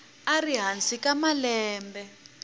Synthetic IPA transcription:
ariɦant͡sʼikamalɛːmbɛ

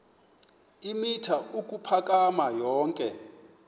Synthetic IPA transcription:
imitʰauk̬ʼupʰakʼamajɔːŋkʼɛ

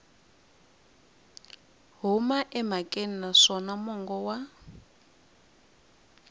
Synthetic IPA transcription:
ɦumaʔɛmakʼen̩naʂɔnamɔŋɡɔwa

